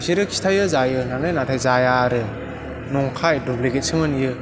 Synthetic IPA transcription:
siɾɯkʰi̥tʰajɯzajɯnanɯjnatʰajzajaɾɯ | nɔŋkʰajdubleɡet̚sɯmɯnjɯ

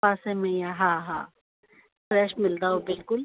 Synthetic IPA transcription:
aːsɛ̃mɛ̃jaɦãɦa̰ː | fɾɛːʃmɪlt̪aɦobɪlkʊl

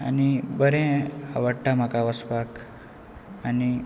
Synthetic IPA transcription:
a̰nibəɾɛ̃aʋəɽʈam̤akaʋəspak | ani

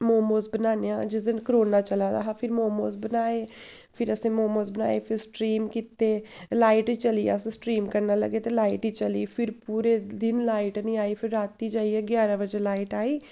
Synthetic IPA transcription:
moːmoːsbənaːnejaːd͡ʒɪsd̪ənkəɾoːnaːt͡ʃəlaːd̪a̰ːɦaːpʰɪɾmoːmoːsbənaːeː | pʰɪɾəsẽːmoːmoːzbəna̰ːḛːpʰɪɾsʈɾiːmkɪt̪eːlaːɪʈiːt͡ʃəliːa̰ːsẽːsʈɾiːmkəɾnaːlə̰ɡeːt̪elaːiʈiːt͡ʃəliːpʰɪɾpuːɾeːd̪ɪnlaːɪʈnĩːaːiːpʰɪɾːaːt̪iːd͡ʒaːiːɛːɡjaːɾãːbəd͡ʒeːlaːiʈaːiː

